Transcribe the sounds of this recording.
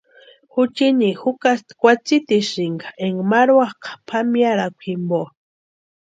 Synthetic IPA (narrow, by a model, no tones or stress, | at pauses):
xut͡ʃinixukast̪kʷat͡sit̪iʃiŋɡaeŋɡmaɾwaqḁpʰamjaɾakʷʰimbo